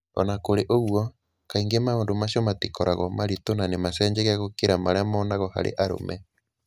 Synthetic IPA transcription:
ɔ̰nakoɾeʔoɣwɔ | kaiŋɡemaondomaɕiomatikɔɾaɣɔmaɾitonanemasɛːɲd͡ʒɛɣeaɣokeɾamaɾeamɔːnaɣɔha̰ɾḛʔaɾo̰mɛ

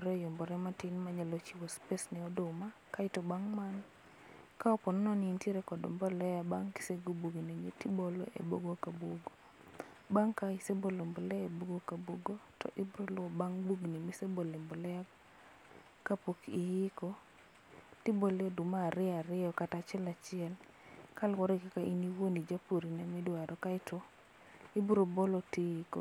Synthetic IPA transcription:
ɾɛjombɔɾɛmatinmaɲalɔt͡ʃiwospesnɪɔdʊma | kaɪtɔbaŋman | kaɔpɔnɔnɔnɪinteɾekɔdɔ̰mbɔlɛjabaŋki̥seɡobuɡniɲetibolo̰ʔḛbo̰ɡokaboɡo | baŋkaisebolombolɛeboɡokaboɡotɔ̰ʔibuɾolʊɔbaŋbuɡnimisebolembɔlɛja | kapokijikɔ | tiboledumaːɾɪaɾɪɔkatat͡ʃɛlat͡ʃɪɛl | kalwɔɾekakaʔiniwonid͡ʒapuɾinamɪdwaɾɔkaɪtɔ | ibuɾobolotijiko

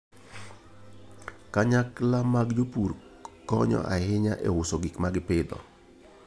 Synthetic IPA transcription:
kaɲaklamaɡd͡ʒopuɾ | kɔɲɔ̰ʔa̰hɪɲaʔḛʊsoɡikmaɡɪpɪd̪ɔ̰

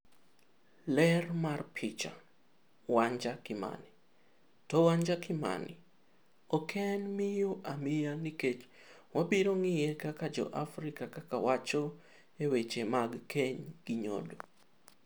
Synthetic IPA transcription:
lɛrmarpʰɪt͡ʃa̰ | waɲd͡ʒakɪma̰nɪ | towaɲd͡ʒakɪma̰nɪ̰ | okʰɛnmɪjoʔamɪjaniket͡ʃwabiɾoŋɪjɛkakad͡ʒɔ̰ʔafɾikakakawat͡ʃo | ewet͡ʃemaɡkʰeɲɡ̥ɪɲo̰do

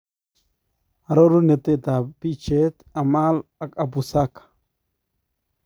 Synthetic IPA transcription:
aɾoɾunet̪et̪apit͡ʃet̪amalakʼabusakḁ

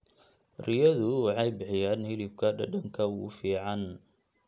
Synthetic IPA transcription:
rɪjɐðʊwɑħɑjbɪħɪjaːnhɪlɪb̚kʰɐɖɐɖɐŋkʰɐʊʊfiːʕɑn

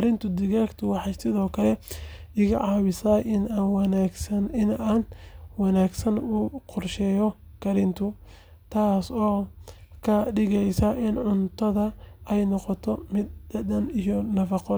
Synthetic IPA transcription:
kɐɾɪnt̪ʰʊd̪ɪɣaːkt̪ʰʊwɑħɑjsɪðɔːkʰɐlɛɪɣɐʕɑːβɪsaːjʔɪnaːnwnaɡsɐnɪnaːnwɑnaːɡsɐnuːqɔrʃɛjɔ | kʰɐɾɪnt̪ʰʊ | t̪ʰaːsɔːkʰɐɖɪɣɛjsɐʔɪnʕʊnt̪ʰɐðɐɛjnɔqɔt̪ʰɔmɪd̪ɐdɐnijɔnɐfɑqɔ

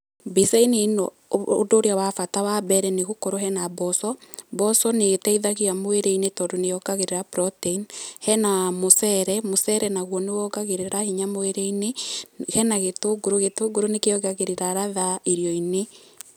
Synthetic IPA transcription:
biseineno | o̰doːɾeawafatawabɛɾɛneɣokoɾoɦɛnabɔsɔbɔsɔnetɛiðaɣiamoeɾeinetɔdonejɔɡaɣeɾeɾapɾɔteinhɛnamosɛɾɛmosɛɾɛnaɣwɔnewɔɡaɣeɾeɾahiɲamoeɾeinehɛnaɣetoɡuɾoɣetoɡuɾonekeɔɡaɣeɾeɾaɾaðaiɾjɔine

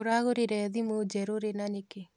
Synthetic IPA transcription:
oɾaɣoɾeɾɛðimod͡ʒɛɾoɾenaneke

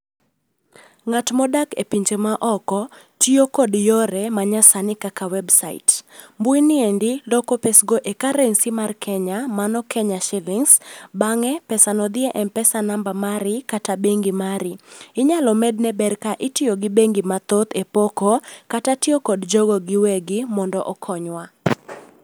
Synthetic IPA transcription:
ŋatmɔdakḛpiɲt͡ʃemaʔɔkɔ | tɪokɔdjɔɾɛmaɲasanɪkakawɛbsaɪ̰tmbuinɪendɪlɔkɔpesɡoʔekaɾɛnsimarkʰɛɲamanɔkʰɛɲaʃɪlɪŋsbaŋɛpɛsanɔd̪ɪɛʔɛnpɛsanambamaɾɪkatabeŋɡimaɾɪɪɲalɔmɛdnɛbɛrkaʔɪtɪoɡɪbeŋɡimat̪ɔt̪epokɔkatatɪokodd͡ʒoɡɔɡɪwɛɡɪmɔndɔʔɔkʰɔɲwa

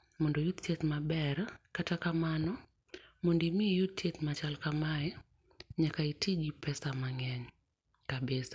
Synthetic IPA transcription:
mɔndɔjut̪t͡ʃet̪mabɛɾkatakamanɔ | mondimijut̪̚t͡ʃet̪mat͡ʃalkamaɛ | ɲakaitid͡ʒipɛsamaŋɛɲ | kabɪsḁ

